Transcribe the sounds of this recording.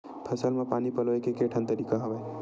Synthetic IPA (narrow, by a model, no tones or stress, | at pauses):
pʰəsəlmãpanipəlʋekekeʈʰə̃nt̪əɾikaɦəʋaj